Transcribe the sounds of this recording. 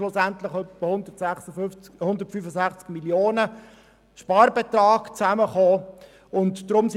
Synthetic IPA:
lʊsæntlɪχœpːəhʊndətsɛχsə | hʊndəɾtfyːfəzæχt͡skmiljoːnə | ʃpɑːrbɛt̪rɑːɡt͡sæməχoː | ʊntdrʊms

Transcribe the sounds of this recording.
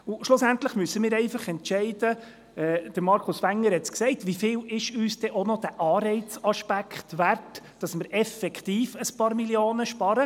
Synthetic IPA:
ʊʃlʊsæntləχmysəmɪːɾɛɪfɑχɛntʃɛɪd̥ə | ɛːd̥əɾmɑɾkʰʊsʋæŋːəɾhɛt͡sksɛɪtʋifɪːlɪʃyːsd̥ɛʔonɔd̥æʔɑːɾɛɪt͡sɑʃpækχtʋærtd̥ɑsmɪɾʔɛfɛkχt̪iːfəspɑːɾmiljoːnəʃpɑɾə

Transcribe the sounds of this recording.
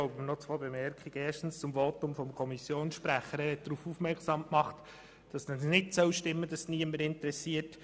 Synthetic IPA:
ɔʊbəmnɔt͡sʋoːbemɛɾkχiɡ̥əeːʃtn̩st͡sʊmvɔtʊmfɔmkʰɔmisjoːnsʃpɾæχəɾæːɾhɛt̚d̥̪ɾuːfufmɛɾksɑmkmɑχt | d̥ɑsnənnɪtsœwʃtɪmːəd̥ɑsniəməɾɪntɾɛsiːət

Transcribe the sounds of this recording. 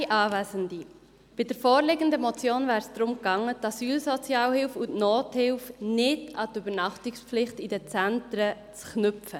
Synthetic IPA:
ʔɑːvæzəndi | b̥ɪd̥əɾfoːɾleɡəndəmɔt͡sjoːnvæːɾsd̥ɾʊmkɑŋːət̪ɑsyːlsɔt͡sjɑːlhɪlfutnoːthɪlfnɪdɑtybəɾnɑχtɪksflɪχtidət͡sæntɾə | t͡sknʏpfə

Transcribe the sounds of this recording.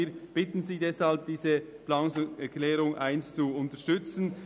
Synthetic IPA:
iːb̥ɪtn̩ziːdɛshalb̚d̥iːzə | plaːnʊŋsɛkʰlɛːʁʊŋaɪnst͡suʊntəʃtʏt͡sn̩

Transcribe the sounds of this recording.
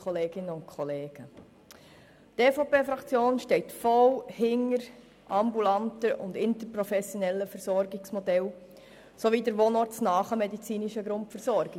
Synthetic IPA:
χɔleːɡ̥ɪnəʊntkχɔleːɡ̥ə | teːfopeːfɾɑkt͡sjoːnʃtɛɪtfɔlhɪŋːəɾ | ʔɑmbulɑntəʔʊ̰ndɪntəɾpɾɔfɛsjonɛlːəfəɾsɔɾɡɪksmɔdɛl | soʋidəɾʋoːnɔɾtt͡snɑːχəmɛdit͡siːniʃəɡɾʊntfəɾsɔɾɡɪ

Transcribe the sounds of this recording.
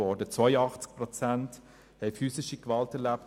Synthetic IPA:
ɔːdət͡sʋɔʏəɑχt͡sk̚pʁɔt͡sænt | hɛɪfyːsɪʃikvɑltɛɾlæp̚t

